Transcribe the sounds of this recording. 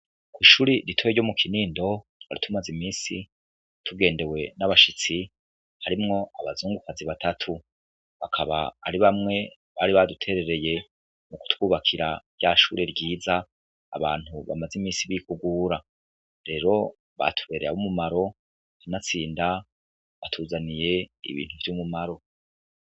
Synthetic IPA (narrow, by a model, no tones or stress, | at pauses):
kwiːʃuːɾiɾitʰojeɟomukʰiniːndo̞ | ha̰ɾitumazimiːsi | tʰuɡe̞ːnde̞we̞naβaʃit͡si | haɾimŋo̞aβazuːŋɡukaziβatʰatʰu | βakʰaβa̰a̰ɾiβamŋe̞ | βaɾiβadutʰe̞ɾe̞ɾe̞je̞ | muku̥twuːβakʰiɾaβjaːʃuːɾe̞ɾɟiːza̰ː | βaːn̥huβa̰mazimiːsiβikuɡuːɾa | ɾe̞ːɾo̞ | βa̰tʰu̥βe̞ːɾeaβumumaɾo̞ | inat͡siːnda | βatʰuːzanije̞ḭβḭːn̥huβiɾiumumaɾo̞